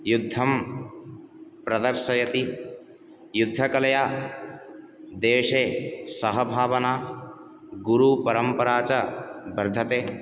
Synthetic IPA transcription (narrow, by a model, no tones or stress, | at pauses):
jud̪ʱːɐm | pɾɐd̪ɐɾʃɐjɐt̪i | jud̪ʱːɐkɐlɐjaː | d̪eːʃeːsɐɦɐbʱaːʋɐnaː | ɡuɾupɐɾɐmpɐɾaːt͡ʃɐbɐɾd̪ʱɐt̪eː